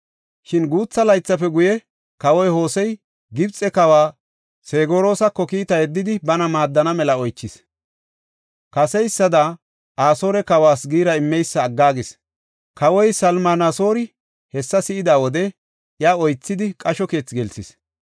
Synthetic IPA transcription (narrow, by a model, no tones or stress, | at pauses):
ʃɪnɡuːt͡sːɐlɐjt͡sːɐpɛɡʊjɛ | kɐwɔjho̞ːsɛj | ɡɪbt͡sʼːɛkɐwaː | seːɡo̞ːɾo̞ːsɐkːɔkiːt̪ɐjɛd̪ːɪd̪ɪbɐnɐmaːd̪ːɐnɐmɛlɐɔjt͡ʃːɪs | kɐsɛjsːɐd̪a | ʔaːso̞ːɾɛkɐwaːsɡiːɾɐɪmːɛjsːɐːɡːaːɡɪs | kɐwɔjsɐlmaːnaso̞ːɾɪ | hɛsːɐsɪɪd̪aːwɔd̪ɛ | jaɔjt͡sːɪd̪ɪkʼɐʃɔke̞ːt͡sɡɛlsɪs